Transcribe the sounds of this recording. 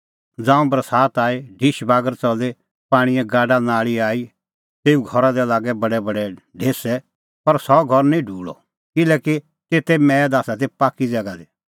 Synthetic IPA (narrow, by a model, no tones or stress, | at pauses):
d͡zãːũp̬ɾsaːt̪aːeɖʱɪʃbaːɡəɾt͡sɔle | paːɽ̃iɛ̃ɡaːɖanaːɭiaːi | t̪eːuɡʱɔɾad̪ɛlaːɡɛbɐɽɛbɐɖɛ | ɖʱeːsɛ | pɐɾsɔɡʱɔɾnĩɖʱuːɭɔ̰ | kɪlɛːki | t̪eːt̪ɛmɛ̃ːəd̪aːsat̪epaːkid͡zɛːɡad̪e